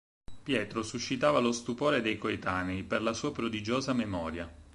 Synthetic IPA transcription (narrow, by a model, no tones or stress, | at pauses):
pjɛːt̪ɾosuʃːit̪aːvalost̪upoːɾed̪ejkoet̪aːneiperlasuːapɾod̪id͡ʒoːzamemɔːɾja